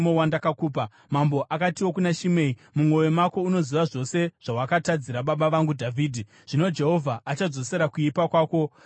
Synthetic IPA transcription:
mowandakakuːp̬a | mambo̞ʔakatiwo̞kunaʃime̞imumwo̞jemako̞uno̞ziʋaʐo̞se̞ʐ̥awakatad͡ziɾaɓaɓaʋaŋɡudʱavʱiːdʱi | ʐ̥ino̞d͡ʒe̞ɦo̞vʱaʔːt͡ʃad͡zo̞se̞ɾakuipakwaːko̞

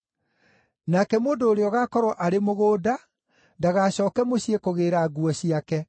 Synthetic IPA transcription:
nakɛmoːndoːɾeɔɣaːkɔɾɔʔaɾemoɣoːda | ndaɣaɕɔːkɛmoɕiekoɣeːɾaɡuɔɕiakɛ

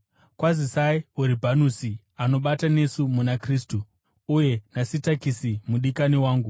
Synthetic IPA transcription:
kwazisaiuɾibʱanusi | ano̞ɓatane̞sumunakriːstuː | je̞nasitakisimuɗikaniwaːŋɡu

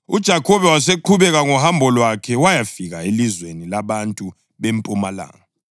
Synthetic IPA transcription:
ud̥ʒ̥ʱakʰɔβɛwaseǃʰuβɛɣaŋɔhambʱɔlwakʰɛwajafiɣaelizwenilaβantʼu | βempʼumala̰ːŋa

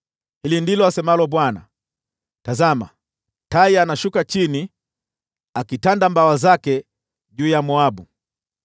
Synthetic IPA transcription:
hilindilɔasɛmalɔɓwana̰ | tazama̰ | taianaʃukat͡ʃini | akitandambawazakɛ | ʄuːjamɔabu

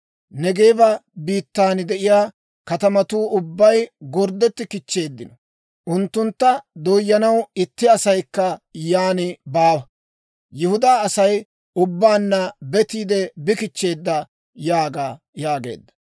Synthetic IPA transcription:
nɛɡe̞ːbɐbiːt̪ːaːnɪd̪ɛʔɪjaː | kɐt̪ɐmɐt̪uːʊbːɐjɡɔɾd̪ɛt̪ːɪkɪt͡ʃːe̞ːd̪ːɪnɔ | ʔʊnt̪ːʊnt̪ːɐd̪ojːɐnɐwɪt̪ːɪɐsɐjkːɐjaːnɪbaːwɐ | jʊhʊd̪aːɐsɐj | ʊbːaːnːɐbɛt̪iːd̪ɛbɪkɪt͡ʃːe̞ːd̪ːɐ | jaːɡaː | jaːɡe̞̰ːd̪ːɐ̥

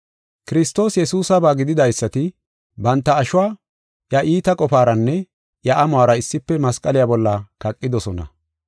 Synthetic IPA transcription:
kɪɾɪst̪o̞ːsjɛsuːsɐbaːɡɪd̪ɪd̪ɐjsːɐt̪ɪ | bɐnt̪ːɐːʃʊwaː | jɐʔiːt̪ɐkʼɔfaːɾɐnːɛ | jɐʔɐmʊaːɾɐɪsːɪpːɛmɐskʼɐlɪjabɔlːɐkɐkʼːɪd̪ɔsɔnɐ̰

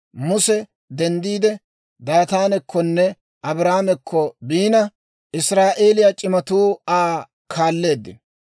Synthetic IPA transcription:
mʊsɛ | d̪ɛnd̪iːd̪ɛ | d̪aːt̪aːnɛkʰːɔnːɛ | ʔɐbɾaːamɛkʰːɔbiːnɐ | ʔɪsɾaːʔe̞ːlɪjat͡ʃʼɪmɐt̪uːaː | kʰaːlːe̞ːd̪ːɪ̰n

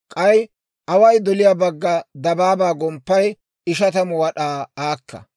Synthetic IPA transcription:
kʼɐj | ʔɐwɐjd̪ɔlɪjaːbɐɡːɐd̪ɐbaːbaːɡɔmpːɐj | ɪʃɐt̪ɐmɔwɐɗaːaːkːɐ̰

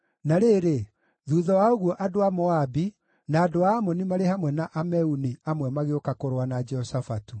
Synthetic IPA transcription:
naɾeɾe | ðuðɔwaoɣwɔʔadoamɔabi | naːdoaːmɔnimaɾehamwɛnaʔamɛuniamwɛmaɣeokakoɾwanad͡ʒɛɔsafatu

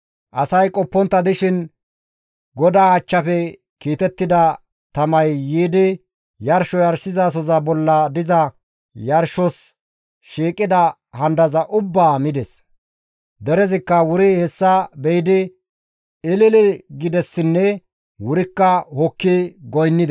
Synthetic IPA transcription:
ʔɐsɐjkʼɔpːɔnt̪ːɐd̪ɪʃɪn | ɡɔd̪aːɐt͡ʃːɐfɛ | kiːt̪ɛt̪ːɪd̪ɐ | t̪ɐmɐjːiːd̪ɪ | jɐɾʃɔjɐɾsɪzas̬ɔzɐbɔlːɐd̪ɪzɐ | jɐɾʃɔs | ʃiːkʼːɪd̪ɐ | hɐnd̪ɐzɐʔʊbːaːmɪd̪ɛs | d̪ɛɾɛzɪkːɐwʊɾɪhɛsːɐbɛjd̪ɪ | ɪlɪlɪɡɪd̪ɛsːɪnːɛ | wʊɾɪkːɐhɔkːɪɡɔjnːɪd̪

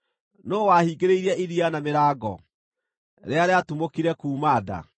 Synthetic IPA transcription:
noːwahiːɡeɾeiɾɛʔiɾianameɾaːɡɔ̰ | ɾeaɾeatumokiɾɛkuːmada̰

